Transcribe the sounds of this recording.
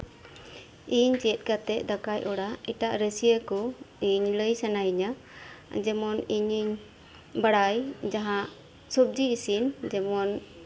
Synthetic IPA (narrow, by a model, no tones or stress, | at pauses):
iɲt͡ʃɛɛt̪̚ˀkat̪ɛʔ̚d̪akajʔɔɽaiʈaʔɾəsijəkɔiɲləjsanaiɲa | d͡ʒɛmɔniɲiɲ | baɽajd͡ʒaɦãʔ | sɔb̚d͡ʒiːsind͡ʒɛmɔn